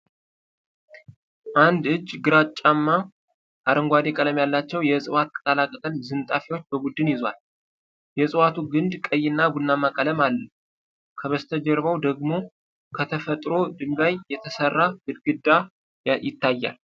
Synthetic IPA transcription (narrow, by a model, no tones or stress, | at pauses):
ʔand̪ɨd͡ʒːɡɨɾat͡ʃʼːamːa | ʔaɾəŋɡʷad̪ekʼələmjalːat͡ʃːɛwjɛsʼɨwat̪̚kʼət̪ʼalakʼət̪ʼənzɨnt̪ʼafiwo̞t͡ʃːbəbud̪ːɨnjɪzwa̰l | jɛsʼɨwat̪ʰuɡɨnd̪kʼəjːɪnːabunːamakʼələmalːə | kʰəβəst̪ʰəd͡ʒɛɾβəwd̪əɡmo̞ | kʰət̪ʰəfət̪ʼɾo̞d̪ɨmɡajːɛt̪ʰəsərːaɡɨd̪ɡɨd̪ːa | jɪt̪ʰːajːa̰l